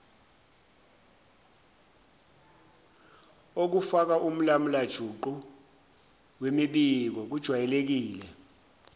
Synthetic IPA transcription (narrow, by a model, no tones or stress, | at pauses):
ok̬ufak̬aʔum̩lam̩lad̥ʒ̥ʱuǃu | wemiɓik̬ɔk̬ud̥ʒ̥ʱwajɛlek̬iːlɛ